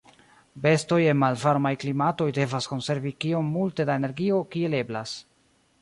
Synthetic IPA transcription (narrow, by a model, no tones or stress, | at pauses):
be̞sto̞je̞nmalvaɾmajklimato̞jde̞vasko̞nse̞ɾvikio̞mːulte̞daeneɾɡio̞kie̞le̞blas